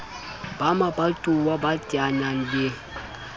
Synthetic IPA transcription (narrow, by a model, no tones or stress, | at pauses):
b̥amabatʼuwabatʼianan̩be